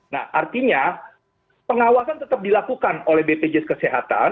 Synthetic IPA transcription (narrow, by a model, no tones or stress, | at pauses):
na̰hʔart̪iɲa | pəŋawasant̪ət̪ap̚dilakukanolɛhbeped͡ʒɛskəseɦat̪a̰n